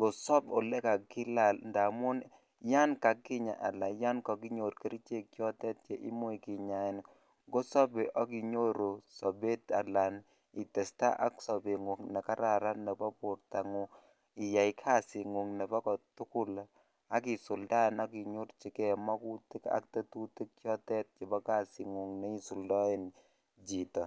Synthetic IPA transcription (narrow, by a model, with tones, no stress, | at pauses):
ŋɡo˨sɔ˦bɔ˨lɛ˦ka˨kːi˦la˨lnda˨mʊ˦n | ja˦nka˨kːi˦ɲa̰˨ʔa˨la˨ja˦nkɔ˨ki˦ɲo˨ɾki˦ɾt͡ʃe˦˨kjɔ˦tɛ˦t̚t͡ʃɛ˦ʔi˦mo˦i˨ki˨ɲa˨ɪ˨n | ŋɡo˦sɔ˦be˨ʔɔ˦ki˨ɲo˦ɾo˨sɔ˨be˦ta˨la˨n | i˨tɛ˨sta̰˦ʔa˦ksɔ˨be˨ŋu˨knɛ˨ka˦ɾa˨ɾa˦nːɛ˨bɔ˦pʊ˨rta˨ŋu | ɪ˨ja˨jkʰa˦si˨ŋu˨ŋnɛ˨bɔ˦kɔ˨tʊ˦kʊ˦l | a˦ki˨sʊ˨lda˦na˦ki˨ɲu˦ɾt͡ʃi˨kɛ˨mɔ˦ku˦tɪ˦ka̰˦k̚te˦tu˦ti˦kjɔ˦tɛ˦t̚t͡ʃe˨bɔ˦ka˦˨si˨ŋu˨ŋnɛ˦i˦su˨ldɔ˦e˦n | d͡ʒi˨tɔ˨